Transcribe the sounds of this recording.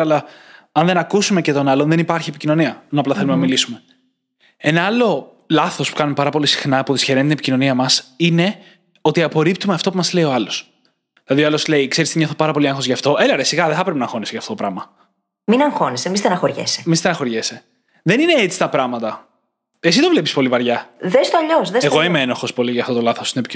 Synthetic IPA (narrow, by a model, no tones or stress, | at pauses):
ɐlɐ | ɐnðe̞nɐkusume̞cet̪o̞nɐlonðenipɐɾçiepicino̞niɐnɐplɐθe̞lumenɐmilisume̞ | e̞nɐɐlo̞ | lɐθo̞spu̥kɐnume̞pɐɾɐpo̞lisi̥xnɐpuoðisçeɾent̪inepicino̞niɐmɐsine̞ | o̞t̪iɐpo̞ɾipt̪umeɐft̪o̞pumɐzle̞io̞ɐlo̞s | ðilɐðioɐlo̞sle̞ikseɾisɲoθopɐɾɐpo̞lieŋxo̞zʝɐft̪o̞ʔelɐɾesiɣɐðeθɐpɾpenɐŋxo̞nisʝɐft̪oopɾɐmɐ | minɐŋxo̞nisemist̪enɐxoɾʝḛsemist̪enɐxo̞ɾʝese | ðe̞nine̞et͡si̥st̪ɐpɾɐmɐt̪ɐ | esit̪ovlepispo̞livɐɾʝɐðest̪oɐʎosðeeɣoimeenɐxo̞spo̞liʝɐft̪o̞t̪o̞lɐθost̪inepic